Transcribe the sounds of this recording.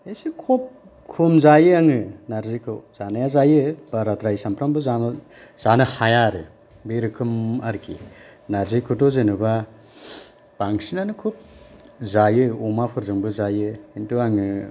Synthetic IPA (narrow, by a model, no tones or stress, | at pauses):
esikʰop̚ | kʰumzajɯaŋɯnaɾzikʰɯwzanajazajɯb̥aɾatɾajsampɾambɯzam | z̥anɯhajaɾɯ | beɾɯkʰɯmaɾkʰḭ | naɾzikʰɯtozenɯba | b̥aŋsinanɯkʰup̚zajɯomapʰɯɾzɯŋbɯzajɯintuaŋɯ